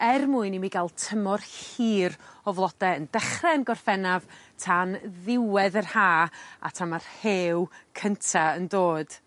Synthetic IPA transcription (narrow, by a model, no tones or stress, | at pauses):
ɛrmuɨnimiɡalˠtʰəmɔrhiːrɔvlˠɔd̥ɛəndɛχrɛnɡɔr̥fɛnavtʰanðɪwɛðərhaːa̰tʰamarheːwkʰəntʰaəndoːd̥